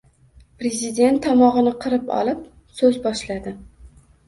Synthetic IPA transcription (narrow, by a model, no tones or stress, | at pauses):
pɾe̞zɪd̪ʲe̞nt̪ʰːɒmɒʁɨnɪqʰɨɾɪpɒ̰lˠɪp̚ | sɵzbɒʃlad̪ɪ